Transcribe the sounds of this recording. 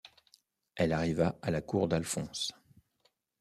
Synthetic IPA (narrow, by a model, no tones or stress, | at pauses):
ɛlaʁivaalakuʁd̪alfɔ̃s